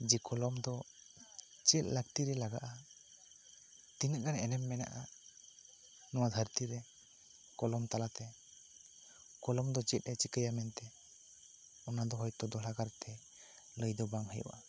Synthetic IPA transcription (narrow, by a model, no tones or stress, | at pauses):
d͡ʒikʰɔlɔmd̪ɔ | t͡ʃɛt̪̚ˀləɡt̪iɾɛlaɡa̰ʔa | t̪inəɡanɛnɛmːɛna̰ʔa | nɔwad̪ʱəɾt̪iɾɛ | kɔlɔmt̪alat̪ɛ | kɔlɔmd̪ɔt͡ʃɛt̪̚ˀɾɛt͡ʃikəjamɛnt̪ɛ | ɔnad̪ɔɦɔjt̪ɔd̪ɔɽaɡaɾt̪ʰɛ | ləjd̪ɔbaŋɦəjṵʔa̰